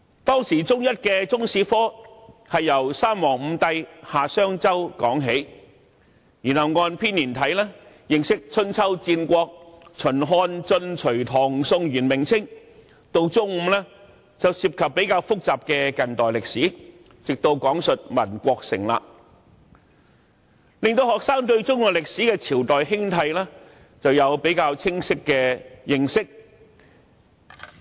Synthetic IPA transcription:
t̪ɔː˥ŋsiː˨˩t͡sʊ˥ŋjɐ˥t̚kɛː˧t͡sʊ˥ŋsiː˧˥fɔː˥hɐ˨jːɐ˨˩wsaː˥mːɔː˨˩ŋm̩˨˧t̪ɐ˨jhaː˨˩sœː˥ŋt͡sɐ˥wkɔː˨˥ŋɦe˨˥j | jyː˨˩nhɐ˨˩wŋɔː˧npʰiː˥nːiː˨˩nt̪ʰɐ˨˥jlɛː˥ | jɪ˨ŋsɪ˥k̚t͡sʰɵ˥nt͡sʰɐ˥wt͡siː˧nkʷɔː˧k̚t͡sʰɵ˨˩nɦɔː˧nt͡sɵ˧nt͡ʃʰɵ˨˩ɥt̪ʰɔː˨˩ŋsʊ˧ŋjyː˨˩nmɪ˨˩ŋt͡sʰɪ˥ŋ | t̪o˧wt͡sʊ˥ŋm̩˧˥lɛː˥ | t͡sɐ˨wsiː˧p̚kʰɐ˨pːe˨˥jkaː˧wfʊ˥k̚t͡saː˨p̚kɛː˧kɐ˨˩nt̪ɔː˨˩jlɪ˨k̚siː˨˥ | t͡sɪ˨k̚t̪o˧wkɔː˨˥ŋsɵ˨t̚mɐ˨˩nkʷɔː˧k̚sɪ̰˨˩ŋla̰ː˧ | lɪ˨ŋt̪o˧whɔː˨k̚saː˥ŋt̪ɵ˧ɥt͡sʊ˥ŋɔː˨˩lɪ˨k̚siː˨˥kɛː˧t͡sʰiː˨˩wt̪ɔː˨jɦɪ˥ŋt̪ʰɐ˧jlɛː˥ | t͡sɐ˨wjɐ˨˧wpe˨˥jkaː˧wt͡sʰɪ˥ŋsɪ˥kːɛː˧jɪ˨˧ŋsɪ˥k̚

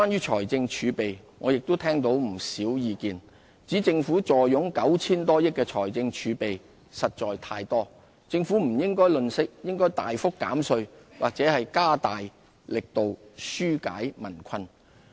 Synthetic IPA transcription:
kʷwaː˥nɥyː˥t͡ʃʰɔː˨˩jt͡sɪ˧ŋt͡ʃʰyː˨˧pe˨˩j | ŋɔː˨˧jɪ˨k̚t̪o˥wt̪ʰɛː˥ŋt̪o˨˥wm̩˨˩siː˨˥wjiː˨˧kiː˨n | t͡siː˨˥t͡sɪ˧ŋfuː˨˥t͡sɔː˨˩jːʊ˨˥ŋkɐ˨˥wt͡sʰiː˥nt̪ɔː˥jɪ˥k̚kːɛː˧t͡ʃʰɔː˨˩jt͡sɪ˧ŋt͡ʃʰyː˨˧pe˨j | sɐ˨t̚t͡ʃɔː˨jt̪ʰaː˧jt̪ɔː˥ | t͡sɪ˧ŋfuː˨˥m̩˨˩jɪ˥ŋkɔː˥jlɵ˨˧nsɪ˥k̚jɪ˥ŋkɔː˥jt̪a̰ː˨jfʊ˥kːa̰ː˨˥msɵ˧ɥwʔaː˨k̚t͡sɛː˨˥hɐ˨jkaː˥t̪aː˨j | lɪ˨k̚t̪o˨wsyː˥ka̰ː˨˥jmɐ˨˩nkʷʰɐ˧n

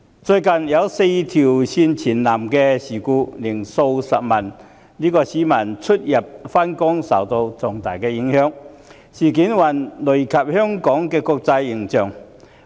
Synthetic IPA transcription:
t͡sɵ˧ɥkɐ˨˩njɐ˨˧wse˧jt̪ʰiː˨˩wsiː˧nt͡sʰiː˨˩nlaː˨˩mkɛː˧siː˨˩kuː˧lɪi˨˩ŋso˧wsɐ˨p̚mɐ˨˩n | liː˥kɔː˧siː˨˥mɐ˨˩nt͡sʰɵ˥t̚jɐ˨p̚fa˥nkʊ˥ŋsɐ̰˨˩wt̪o˧wt͡sɔ˨˩ŋt̪aː˨˩jkɛː˧jɪ˨˧˥ŋhœː˥ŋ | siː˨˩ki˨˥nwɐ˨nlɵ˨˩kʰɐ˨p̚hœː˥ŋkɔː˨˥ŋkɛː˧kɔː˧k̚t͡sɐ˧jːɪ˨˩ŋt͡sœː˨˩ŋ

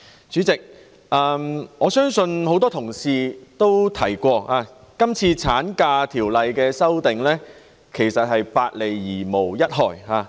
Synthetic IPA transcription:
t͡syː˨˥t͡sɪ˨k̚ | ʔaː˨˧mɔː˨˧sœː˥ŋsɵ˧nho˨˥wt̪ɔː˥t̪ʰʊ˨˩ŋsiː˨t̪o˥wt̪ʰɐ˨˩jkʷɔː˧aː˧ | kɐ˥mt͡sʰiː˧t͡sʰaː˨˥nkaː˧t̪ʰiː˨˩wlɐ˨jkɛː˧sɐ˥wt̪ɪ˨ŋlɛː˥ | kʰe˨˩jsɐ˨t̚ɦhɐ˨jpaː˧t̚le˨˩jːiː˨˩mo˨˩wjɐ˥t̚ɦɔː˨˩jɦaː˨˧

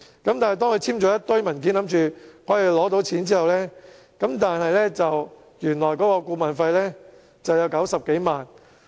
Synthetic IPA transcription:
kɐ˨˥mt̪aː˨nhjt̪ɔː˥ŋkʰɵ˧jt͡sʰiː˥mt͡ʃɔː˨˧jɐ˥t̚t̪ɵ˥ɥmɐ˨˩nk̬i˨˥nlɐ˨˥mt͡ʃyː˨hɔː˨˥jiː˨˩lɔː˨˥t̪o˨˥wt͡sʰiː˨˥nt͡siː˥hɐ˨wlɛː˥ | kɐ˨˥mt̪aː˨nhɐ˨jlɛː˥t͡sɐ˨w | jyː˨˩nlɔː˨˩jkɔː˨˥kɔː˧kuː˧maː˨˩nfɐ˧jlɛː˥ | t͡sɐ˨wjɐ˨˧wkɐ˨˥wsɐ˨p̚ke˨˥jmaː˨n

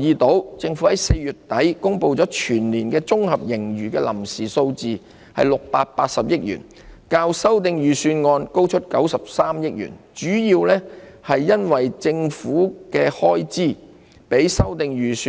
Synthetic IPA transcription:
jiː˨˧t̪o˨˥wt͡sɪ˧ŋfu˨˥hɐ˨˦˥jse˧jjyː˨t̚t̪ɐ˨˥jkʊ˥ŋpo˧wt͡sɔː˨˥t͡ʃʰyː˨˩nliː˨˩nkɛː˧t͡sʊ˥ŋhɐ˨p̚jɪ˨˩ŋjyː˨˩kɛː˧lɐ˨˩msiː˨so˧wt͡siː˨ | hɐ̰˨jlʊ˨k̚paː˧t̚paː˧t̚sɐ˨p̚jɪ˥k̚jy̰ː˨˩n | kaː˧wsɐ˥wt̪̬ɪ˨˧ŋjyː˨syː˧nŋɔː˧nko˥wt͡ʃʰɵ˥t̚kɐ˨˥wsɐ˨p̚saː˥mjɪ˥k̚jy̰ː˨˩nt͡ʃyː˨˥jiː˧wlɛː˥hɐ˨jːɐ˥nwɐ˨jt͡sɪ˧ŋfuː˨˥kɛː˧hɔː˥jt͡siː˥˩ | pe˨˥jsɐ˥wt̪ɪ˧ŋjyː˨sy˧

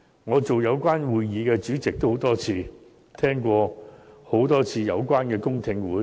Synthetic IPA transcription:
ŋɔː˨˧t͡so˨wjɐ˨˧wkʷaː˥nwuː˨jːiː˨˧kɛː˧t͡ʃyː˨˥t͡sɪ˨k̚t̪o˥who˨˧˥wt̪ɔː˥t͡sʰiː˧ | t̪ʰɛː˥ŋkʷɔː˧ho˨˥wt̪ɔː˥t͡sʰiː˧jɐ˨˧wkʷwaː˥nkɛː˧kʊ˥ŋt̪ʰɪ˧ŋwuː˨˥

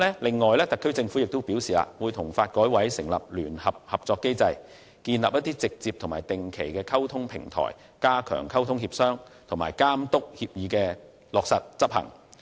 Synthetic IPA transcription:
lɛː˥lɪ˨ŋːɔː˨jlɛː˥t̪ɐ˨˩kʰːɵ˥ɥt͡sɪ˧ŋfuː˨˥jɪ˨k̚t̪ʊ˥wpi˨˥wsiː˨a̰ː˧wu˨˧jt̪ʰʊ˨˩ŋfaː˧t̚kɔː˨˥jwɐ˨˥jsɪ˨˩ŋlɐ̰˨p̚lyː˨˩nhɐ˨p̚hɐ˨p̚t͡sɔː˧kːe˥jt͡sɐ˧j | kiː˧nlaː˨p̚jɐ˥t̪iː˥t͡sɪ˨k̚t͡siː˧p̚t̪ʰʊ˨˩ŋma̰ː˨˩jt̪ɪ˨ŋkʰe˨˩jkɛː˧kʰɐ˥wt̪ʰʊ˥ŋpʰɪ˨˩ŋt̪ʰɔ̰ː˨˩j | kaː˥kʰœ̰ː˨˩ŋkʰɐ˥wt̪ʰʊ˥ŋhiː˧p̚sœː˥ŋt̪ʰʊ˨˩maː˨˩jkaː˥mt̪ʊ˥k̚hiː˧p̚jiː˨˧kɛː˧ | lɔː˨k̚sɐ˨t̚t͡sɐ˥p̚hɐ̰˨˩ŋ

